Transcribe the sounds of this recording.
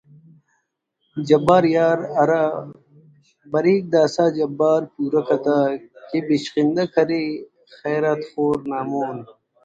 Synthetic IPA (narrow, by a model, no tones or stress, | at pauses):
d͡ʑɐbaːɾjaːɾɐɾa | bɐɾiːk̚d̪aːsaːd͡ʑɐbːaːɾpuːɾɐkʰɐt̪aːkibiɕqind̪ɐkʰɐɾe | xeːɾat̪xoːɾnaːmoːn